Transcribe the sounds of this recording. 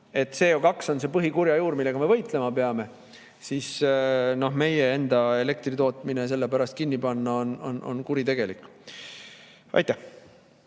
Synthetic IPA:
e̞t̪ːˑse̞ːjokɑkso̞nse̞ːpɤɦikuɾjɑjuːɾmilːe̞ɡ̥ɑmevɤjt̪ˑle̞mɑpeɑme̞ | sisno̞ɦme̞jee̞nd̪ɑe̞le̞k̚t̪rit̪oːt̪ˑmines̬e̞lːe̞pæɾɑst̪̚kinːipɑnːɑo̞no̞̰no̞̰nkuɾit̪e̞ɡ̥e̞likːˑ | ɑ̰jt̪ːˑæh

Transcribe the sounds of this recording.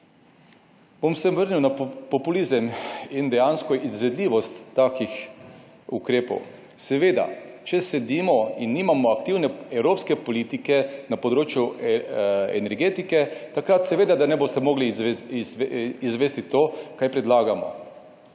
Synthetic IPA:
bomsɛmʋəɾniwnapɔpuliːzəmind̪ɛjaːnskɔʔizʋɛd̪liːʋɔst̪ːaːkix | ukɾeːpɔ̰w | sɛʋeːd̪a̰ | t͡ʃɛsɛd̪iːmɔinːiːmamɔakt̪iːwnɛɛwɾoːpskɛpɔliːt̪ikɛnapɔd̪ɾoːt͡ʃju | ɛ̰nɛɾɡeːt̪ikɛt̪akɾat̪sɛʋeːd̪ad̪anɛbost̪ɛmoːɡli | izʋɛːst̪it̪oːkajpɾɛd̪laːɡamɔ̰

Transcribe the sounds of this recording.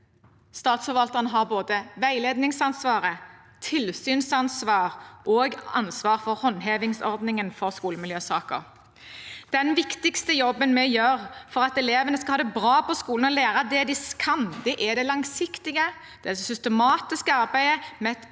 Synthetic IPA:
st̪ɑːt̪sfɔɾʋɑlt̪əʁənəɦɑʁboːd̪əʋæɪleːd̪nɪŋsɑnsʋɑːʁə | t̪ʰɪlsyːnsɑnsʋɑːʁʔoːɡɑ̰nsʋɑːʁfɔʁhɔnːɦeːʋɪŋsɔɾd̪nɪŋənfɔʁskuːləmɪljøːsɑːkə̰ʁ | d̪̥ɛnʋɪkt̪ɪkst̪əjɔbːənmɛjøːʁfɔʁɑt̪ɛleːʋənəskɑhɑːd̪ɛbʁɑːpɔskuːln̩ɔleːɾəd̪ɛd̪ɪskʰɑnd̪ɛʔæd̪ɛlɑŋsɪkt̪ɪɡə | d̪̥ɛɑlssʏst̪ɛmɑːt̪ɪskəɑʁbæɪəmɛɛt̪

